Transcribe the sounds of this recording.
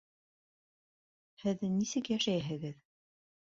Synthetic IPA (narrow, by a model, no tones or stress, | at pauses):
hɘðnisɘkjæʃæjɦɘ̆ɡɘð